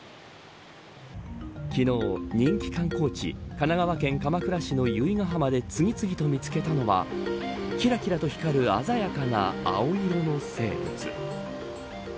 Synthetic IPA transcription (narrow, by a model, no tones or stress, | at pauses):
kʲino̞ːɲ̟ĩŋkʲi̥kãŋko̞ːt͡ɕḭkanaɡaβakẽ̞ŋkamakɯ̟ɾaɕino̞jɯ̟iŋaɦamad̪e̞t͡sɨɡʲit͡sɨɡʲit̪o̞mʲit͡sɨ̥ke̞t̪ano̞βa̰ | kʲiɾakʲiɾat̪o̞çi̥kaɾɯ̟azajakana̰a̰o̞iɾo̞no̞se̞̰ːbɯ̟̰t͡sɨ̰